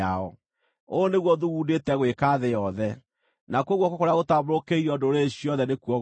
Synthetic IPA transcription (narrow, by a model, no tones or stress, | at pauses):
aɔ̰ | oneɣwɔðuɣundetɛɣwekaðejɔðɛ | nakwɔɣwɔkɔkoɾeaɣotaβoɾokeiɾɔdoɾeɕiɔðɛnekuɔɣ